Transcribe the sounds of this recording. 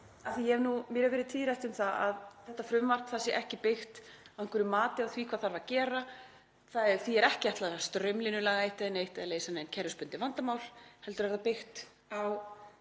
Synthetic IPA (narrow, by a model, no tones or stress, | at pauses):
aθijɛɛnumjɛɾavɪɾɪðt̪ʰiːðɾajht̪ʏmθaa̰ðθɛht̪afɾʏmvar̥t̪θasjɛʔɛhcɪpɪxt̪ | ɪn̥kvɾʏmaːt̪ɪawθvikʰvaðθaɾvacɛːɾa | θaðɛθiɛɾɛhcɪaht̪laast̪ɾœmlinʏlaːɣaejht̪ɪðɪnejht̪ɪðaleːjsanɛncʰɛɾʏspʏnt̪ɪvant̪amaːwlhɛlt̪ʏɾɛɣðapɪxt̪ | aw